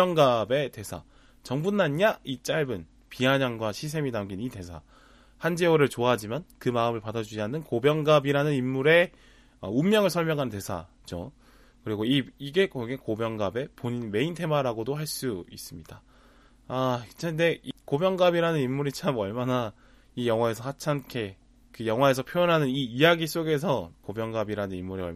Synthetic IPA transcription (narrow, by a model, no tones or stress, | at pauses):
ʌŋɡabe̞te̞sʰa̰ | t͡ɕʌŋbunːanɲait͡ɕ͈aɭbɯn | piɦaɲaŋɡwaɕʰis̬ʰe̞minamɡinite̞sʰa̰ | hand͡ʑeoɾɯɭt͡ɕoaɦad͡ʑimankɯmaɯmɯɭpadad͡ʑud͡ʑiɦanːɯnkobjʌŋɡabiɾanɯnimːuɾe̞ | ʌumːjʌŋɯɭsʰʌɭmjʌŋɦanɯnte̞sʰa̰ | t͡ɕo̰ | kɯɾiɡoiiɡe̞kʌɡekobjʌŋɡabe̞poɲinme̞intʰe̞maɾaɡodohaɭs͈uḭs͈ɯmɲid̥a | at͡ɕʰende̞ikobjʌŋɡabiɾanɯnimːuɾit͡ɕʰamʌɭmana | ijʌŋwae̞sʰʌsʰat͡ɕʰankʰe̞ | kɯjʌŋwae̞s̬ʰʌpʰjojʌnɦanɯniːjaɡis͈oɡe̞sʰʌkobjʌŋɡabiɾanɯnimːuɾiʌ̰